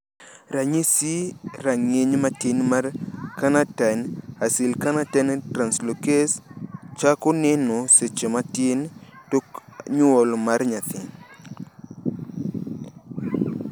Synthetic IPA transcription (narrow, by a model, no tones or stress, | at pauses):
ɾaɲisiɾaŋeɲmatinmaɾkanatanasilkanatɛntɾanslokest͡ʃakʊnɛnɔset͡ʃematintokɲuɔlmaɾɲat̪ʰɪ